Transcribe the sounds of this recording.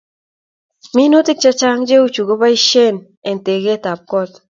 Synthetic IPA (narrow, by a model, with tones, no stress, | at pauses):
mi˦nu˦tɪ˦k̚t͡ʃa˦t͡ʃa˦ŋd͡ʒe˦u˦t͡ʃu˨ɡo˦ba˦i˦ʃe˦˨n | e˨n˨te˨ɡe˦˨ta˨p̚kɔ˦˨t